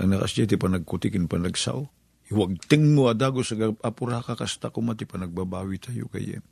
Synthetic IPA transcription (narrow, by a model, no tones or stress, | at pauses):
ʔaŋnaka̰sd͡ʒat̪ɪpanaɡ̚kʊt̪ikɪnpanaɡsa̰w | waɡ̚t̪ɪŋmoad̪aːɡʊsaɡaapʊɾahakakast̪akʊmat̪ipanaɡ̚babawit̪ajo̰ka̰jɛ̰